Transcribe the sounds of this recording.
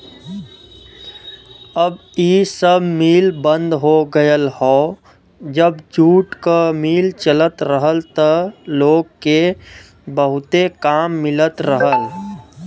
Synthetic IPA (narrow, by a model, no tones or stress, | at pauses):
əb | iːsəbmiːlbə̃nd̪ɦoɡəjəlhɔː | d͡ʒəbd͡ʒuːʈkamiːlt͡ʃələt̪ɾəɦəlt̪əloːɡke | bəɦʊt̪ekaːmːɪlət̪ɾəɦəl